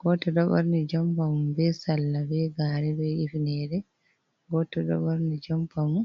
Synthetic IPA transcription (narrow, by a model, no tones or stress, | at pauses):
ɡ̥ɔtɔɗɔbɔɾnid͡ʒɔmpamumbɛsalːabɛɡaːɾɛbɛifinɛɾɛ | ɡɔtɔɗɔ̰bɔɾnid͡ʒɔmpamu